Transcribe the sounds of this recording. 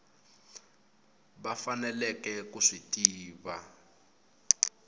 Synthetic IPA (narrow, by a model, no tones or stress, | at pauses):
bafanɛlɛkɛkuʂitʼiːβa